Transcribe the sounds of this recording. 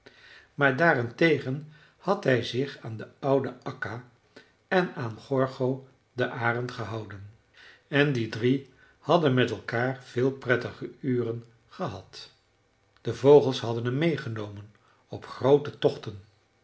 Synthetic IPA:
maːɹdaːrɪntejχən | hɑtɦɛjzɪχaːndəʌwdəʔɑka | ɛnaːnχɔɹχow | dəʔaːrɑntχəɦɑwdən | ɛndidri | hɑdənmɛtɛlˠkaːɹv̥ɪːlˠprɛtəχəyːrən | χəɦɑt | d̥əvowχəlˠsɦɑdənɦəmːejχənowmən | ɔpχrowtətɔχtən

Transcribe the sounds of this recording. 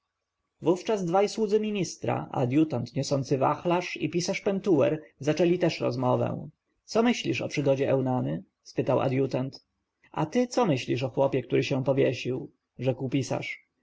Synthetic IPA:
vuft͡ʂazd̪vajswud̪zɘmʲiɲist̪ɾa̰ʔa̰d̪jut̪ant̪ɲɔsɔnt̪sɘvaxlaʂipʲisaʂpɛnt̪uwɛ̰ɾzat͡ʂɛlʲit̪ɛʂɾɔ̰zmɔvɛ̰̃w̪̃ | sɔmɘɕlʲiʂɔpʂɘɡɔd͡ʑɛʔɛwnanɘ | spɘt̪awa̰d̪jut̪ant̪ | a̰t̪ɘt̪sɔmɘɕlʲiʂ̬ɔxwɔpʲjɛk̚t̪uɾɘɕɛ̃pɔvʲjɛɕiw | ʐɛkwpʲisa̰ʂ

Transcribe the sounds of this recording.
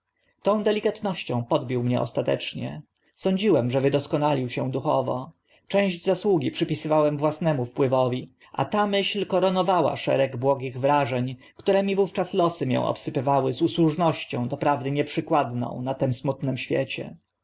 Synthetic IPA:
t̪ɔ̃w̃d̪ɛlʲikat̪nɔɕt͡ɕɔ̃w̃pɔd̪bʲiwmɲɛʔɔ̰st̪at̪ɛ̰t͡ʂɲɛ̰ | sɔɲd͡ʑiwɛmʐɛvɘd̪ɔskɔnalʲiwɕɛd̪uxɔvɔ̰ | t͡ʂɛ̃w̃ʑd͡ʑzaswuɡʲipʂɘpʲisɘvawɛmvwasnɛmufpwɘvɔvʲi | ʔa̰t̪amɘɕlkɔɾɔnɔvawa̰ʂɛ̰ɾɛɡbwɔɡʲiɣvɾaʐɛɲ | kt̪uɾɛmʲivuft͡ʂaslɔsɘmʲjɛ̰̃w̃ʔɔ̰psɘpɘvawɘzuswuʐnɔɕt͡ɕɔ̰̃w̃d̪ɔpɾavd̪ɘɲɛpʂɘkwad̪nɔ̰̃w̃nat̪ɛmsmut̪nɛmɕfʲjḛt͡ɕɛ̰

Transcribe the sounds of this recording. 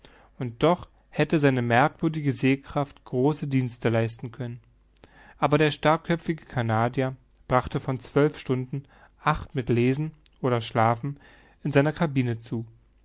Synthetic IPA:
ʊnt̚d̥ɔχ | hɛtəzaɪnəmɛɐkv̥ʏɐdɪɡəzeːkʁ̥aftɡ̥ʁoːsədiːnstəlaɪstn̩kʰœnən | ʔaːbɐɾeːɐʃtaɐkʰœpp͡fɪɡəkʰanaːdja | b̥ʁaχtəfɔnt͡sv̥œlfʃtʊndn̩ | ʔaχtmɪtleːzn̩ʔoːɾɐʃlaːfn̩ | ɪnzaɪnɐkʰabiːnət͡suː

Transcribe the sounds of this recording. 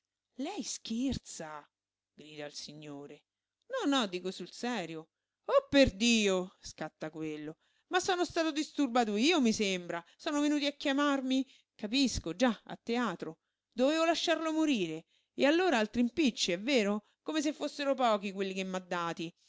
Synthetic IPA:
lɛjsk̟ert̪sa | ɡɾiːd̪ailsiɲːoːɾe | nɔnːɔd̪ːiːkosulsɛːɾjo | ɔpːerd̪iːoskat̪ːakwelːo | masːɔːnost̪aːt̪od̪ist̪urbaːt̪oiːomisembɾasɔːnovenuːt̪iakːjamarmi | kapiskod͡ʒaa̰t̪ːeaːt̪ɾo | d̪oveːvolaʃːarlomoɾiːɾe | ealːoːɾaalt̪ɾimpit͡ʃːiɛvːeːɾo | komes̬efːosːeɾopɔːkikwelːikemːad̪ːaːt̪i

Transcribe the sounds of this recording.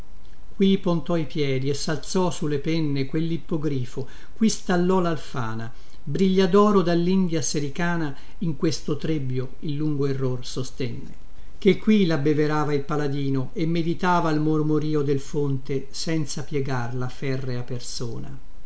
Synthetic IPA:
kwipont̪ɔipjɛːd̪iesːalt̪sɔsulːepɛnːekwelːipːoɡɾiːfo | kwist̪alːɔlalfa̰ːna | bɾiʎːad̪ɔːɾod̪alːind̪jaseɾikaːna | iŋkwest̪ot̪ɾebːjo | ilːuŋɡoerːorsost̪ɛnːḛ | k̟ekːwilabːeveɾaːvailpalad̪iːnoʔemːed̪it̪aːvaːlmormoɾiːod̪elfont̪e | sɛnt̪sapjɛɡarlafɛrːeapːersuːna̰

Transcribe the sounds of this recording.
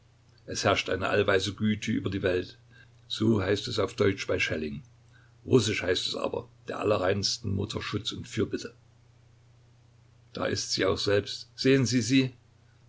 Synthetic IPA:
ʔɛshɛɐʃtʔa̰ɪnə̰ʔa̰lvaɪzəɡyːtʰəʔy̰ːbɐdiːvɛlt | z̥oːɦaɪstɛsaʊfd̥ɔʏt͡ʃb̥aɪʃɛlɪŋ | ʁʊsɪʃhaɪstɛsʔa̰ːbɐ̰d̥eːɐʔa̰lɐʁaɪnstn̩mʊtʰɐʃʊt͡sʊntfyːɐbɪtə | d̥a̰ːʔɪstz̥iːaʊxz̥ɛlpstz̥eːənziːziː

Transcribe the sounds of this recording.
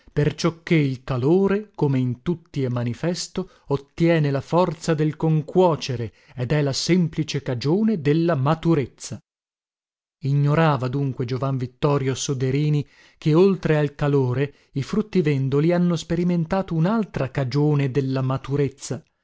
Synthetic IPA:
pert͡ʃɔkːeilkaloːɾekomeint̪ut̪ːiemːanifɛst̪o | ot̪ːjɛːnelafɔrt̪sad̪elkoŋkwɔːt͡ʃeɾe | ed̪ɛlasɛmplit͡ʃekad͡ʒoːned̪elːamat̪uɾet̪sːa | iɲːoɾaːvad̪uŋkwed͡ʒovaɱvit̪ːɔːɾjosod̪eɾiːni | keolt̪ɾealkaloːɾe | ifɾut̪ːivɛnd̪olianːospeɾiment̪aːt̪ounalt̪ɾakad͡ʒoːned̪elːamat̪uɾet̪sːa

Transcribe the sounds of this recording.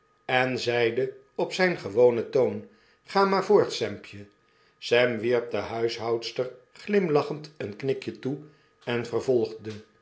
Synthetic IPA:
ɛnzɛjdə | ɔpsɛjnχəʋownətown | χaːmaːɹvʊːɹtsɛmpjə | sɛmʋiɹp̚dəɦœɥsɦɑwtstər | χlɪmlɑχəntənknɪkjətu | ɛnvəɹvɔlˠχdə

